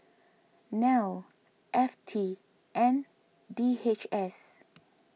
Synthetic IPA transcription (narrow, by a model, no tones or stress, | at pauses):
nawl | ʔɛftʰi | ʔɛ̃n | diet͡ʃɛs